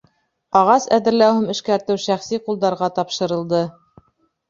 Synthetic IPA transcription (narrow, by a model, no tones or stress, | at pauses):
ɑʁɑsæðɘ̆ɾlæwhɘmɘ̆ʃkæɾt̪ɘwʃæχsiqulˠd̪ɑɾʁɑt̪ɑpʃɤ̆ɾɤ̆lˠd̪ɤ